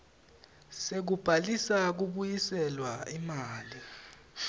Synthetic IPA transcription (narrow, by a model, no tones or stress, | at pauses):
sek̬ub̥ʱalisak̬uɓujisɛlwaimaːli